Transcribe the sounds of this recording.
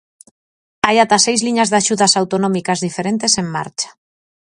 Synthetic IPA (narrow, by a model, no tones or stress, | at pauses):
ajat̪asejzliɲazðaʃuðasawt̪onɔ̃mikazðifeɾent̪eseŋma̰ɾt͡ʃḁ